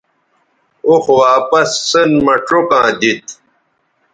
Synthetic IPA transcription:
oxwaːpɐsːənmɐʈ͡ʂokãːd̪it̪

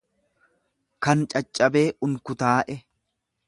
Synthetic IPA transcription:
kɐnt͡ʃʼɐt͡ʃʼːɐbe̞ːʔʊŋkʊt̪aːʔɛ

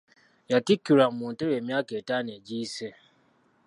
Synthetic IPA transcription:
jatikiɾam̩mʊn̩teɾemiaketaned͡ʒise

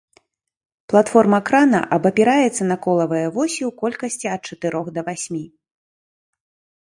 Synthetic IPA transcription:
plˠat̪fɔrmɐːkɾanɐ̰ʔɐbɐpʲiɾajɛt̪sːɐnɐkɔlˠɐvɐjɐvɔsʲiwkɔlʲkɐsʲt͡sʲiɐt̪̚t͡ʂɐt̪ɨɾɔxd̪ɐvasʲmʲi

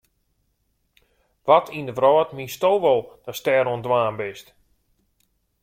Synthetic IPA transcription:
ʋɔtʰindəvrɔːtmistoːʋɔlˠd̥astɛːɾoəndwaːnbɪst

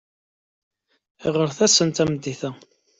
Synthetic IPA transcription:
iʁəɾθæsənt̪æmd̪ːiθæ

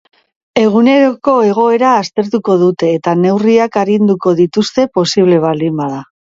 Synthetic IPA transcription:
e̞ɣ̞une̞ɾo̞ko̞e̞ɣ̞o̞e̞ɾaːst̪e̞ɾt̪uko̞ðut̪e̞ːt̪ane̞wriakaɾind̪uko̞ðit̪ust̪e̞po̞siβ̞le̞β̞ald̪imbaða

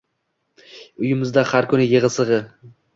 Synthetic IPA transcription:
ʊjɪmɪzd̪ahaɾkʰʊnɪjɨʁɨsɨʁɨ

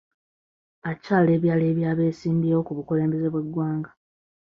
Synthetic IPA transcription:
acaːle̞ːβjaːle̞ːβjaːβe̞ːsiːmbiewo̞kuβukule̞ːmbe̞ze̞βwe̞ɡwaːŋɡa

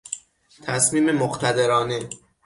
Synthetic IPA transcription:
t̪ʰæsmiːme̞moxt̪ʰæd̪eɾɒːne

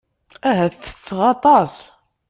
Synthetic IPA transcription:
æɦæθə̥t͡sːʁɑt̪ˤɑs

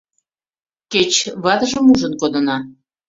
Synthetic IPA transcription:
ket͡ɕβɑt̪əʒəmuʒənkod̪ɤnɑ

